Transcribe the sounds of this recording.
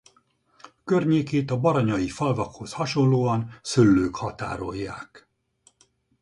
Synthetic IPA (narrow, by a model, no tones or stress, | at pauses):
kørɲeːkeːt̪ɒbɒɾɒɲɒjifɒlvɒkho̞shɒʃo̞nloːɒnsylːøːkhɒt̪a̰ːɾo̞jːaːk